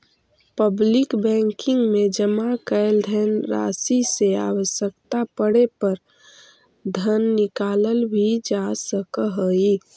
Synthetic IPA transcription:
pəblɪkbɛ̃ŋkɪ̃ŋɡmẽd͡ʒəmakəɪld̪ʱɛnɾa̰ːsisea̰ːwəʃjəkt̪apəɽepəɾ | d̪ʱənːɪkaːləlbʱid͡ʒasəkɦəi

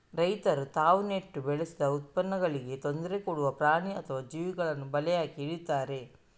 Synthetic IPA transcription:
ɾɐjt̪ɐɾut̪aːʋuneʈːubɛɭesid̪ɐut̪̚pɐnːɐɡɐɭiɡe̞t̪o̞nd̪ɐɾekoɽuʋɐpɾaːɳiɐt̪ʰɐʋaːd͡ʒiːʋiɡɐɭɐnːubɐlɛjaːkiːɽit̪ːaːɾe̞

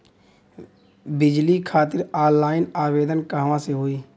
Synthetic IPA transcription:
bɪd͡ʒlikʰaːt̪ɪɾaːlaːɪnaːweːd̪ənkəɦʋãseɦoːiː

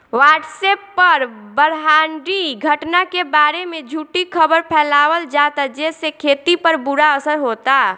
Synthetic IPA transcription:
waʈsɛpːəɾbəɾɦaːɳɖiɡʱəʈnakebaɾemed͡ʒʱuʈikʰəbəɾpʰɛːlawəld͡ʒat̪ad͡ʒɛsekʰet̪ipəɾbuɾaəsəɾɦot̪a

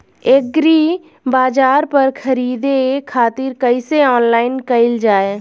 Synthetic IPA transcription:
eːk̚ɡɾi | baːd͡ʒaːɾpəɾkʰəɾiːd̪ekʰaːt̪iɾkəiseɔːnlaːɪnkəɪld͡ʒaːe

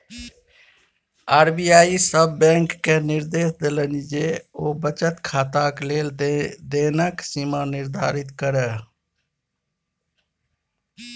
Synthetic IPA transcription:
aːɾbijaːisəbːɛ̃ːŋkːenɪɾd̪eːsd̪elənid͡ʒeoːbət͡ʃət̪kʰaːt̪akleːld̪eːnəksimanɪɾd̪ʱa̰ːɾɪt̪kəɾə

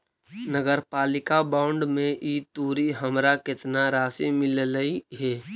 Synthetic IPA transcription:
nəɡəɾpaːlɪkabãːʊɳɖmẽʔit̪uːɾiɦəmɾakɪt̪naɾaːsimɪlləiɦɛː

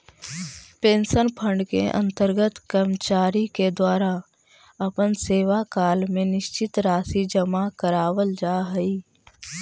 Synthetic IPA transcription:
pẽːnsənpʰə̃ɳɖkḛʔə̰̃nt̪əɾɡət̪kəɾmt͡ʃaːɾiked̪waːɾa | əpənseːʋakaːlmẽnɪʃt͡ʃɪt̪ɾaːsid͡ʒəmakəɾaːwəld͡ʒaːɦəiː

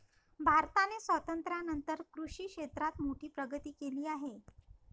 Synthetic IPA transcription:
bʱaɾt̪anesʋət̪ənt̪ɾjanənt̪əɾkɾuʂiːkʂet̪ɾat̪moʈiːpɾəɡət̪iːkeliːaɦe

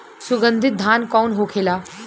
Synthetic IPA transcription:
sʊɡə̃nd̪ʱɪt̪̚d̪ʱaːnkɔːnɦoːkʰeːlaː

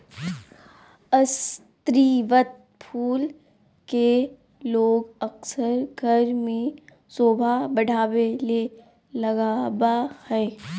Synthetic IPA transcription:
əst̪ɾiːʋət̪̚ | pʰuːl | ke | loːɡəksəɾɡʱəɾmẽ | soːbʱabɐɽʱaːwele | lɐɡaːbahɛː

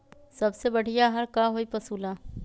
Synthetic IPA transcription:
sɐbsebɐɽ̤ijaɦɐɾkaɦoːipɐsuːlaː

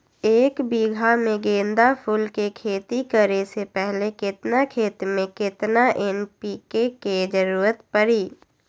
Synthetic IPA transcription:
eːkbiːɡʱamẽɡẽːnd̪apʰʊlkekʰeːt̪ikəɾesepɛɦlekɪt̪nakʰeːt̪mẽkɪt̪naʔenpiːkeked͡ʒəɾuːɾət̪pəɾiː

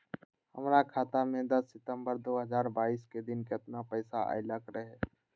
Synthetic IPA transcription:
həmɾakʰaːt̪amẽd̪ɐsːɪt̪ə̃mbəɾd̪oːɦəzaːɾbaːiːsked̪ɪnkɪt̪napɛːsaʔa̰ɪləkɾəɦɛː

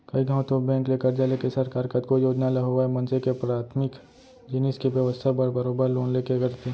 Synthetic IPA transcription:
kɐiɡʱəõt̪obɛ̃ːŋkleːkəɾd͡ʒalekesɐɾkaːɾkət̪kojoːd͡ʒnalɐɦoʋaɛmɐ̃nsekepɾaːt̪ʰmɪk | d͡ʒɪnɪskibjəʋəst̪ʰabəɾbəɾoːbəɾloːnleːkeɡəɾt̪ʰe

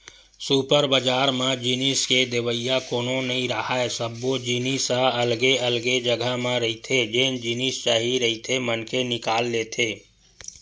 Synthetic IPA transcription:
suːpəɾbəd͡ʒaːɾmẽd͡ʒinisked̪eʋəɪjakoːnonəɦĩɾəɦaɛsəbːod͡ʒinisaəlɡeəlɡed͡ʒəɡʱəmẽɾəɦit̪ʰed͡ʒeːnd͡ʒinist͡ʃaːɦiɾəɦit̪ʰemənkʰenɪkaːlːeːt̪ʰeː

